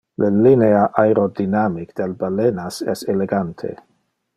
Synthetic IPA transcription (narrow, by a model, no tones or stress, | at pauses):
lalineaʔajɾodinamikd̥elbalenaseseleɡantʰḛ